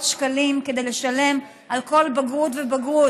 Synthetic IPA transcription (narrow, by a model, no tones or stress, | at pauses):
tʃkalimked̪ejleʃale̞m | ʔalko̞lbaɡut̪vebaɡu